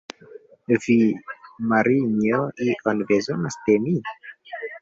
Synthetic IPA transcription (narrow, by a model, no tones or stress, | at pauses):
vimaɾiɲoiʔɔnbezonasd̪emi